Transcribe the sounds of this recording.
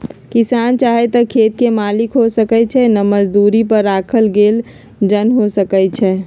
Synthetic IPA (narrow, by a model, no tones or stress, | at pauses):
kisant͡ʃaɦet̪əkʰet̪kemalikɦosəkɛt͡ʃʰɛnəməd͡ʒd̪uɾipəɾːakʰəlɡeːl | d͡ʒənɦosəkət͡ʃʰɛ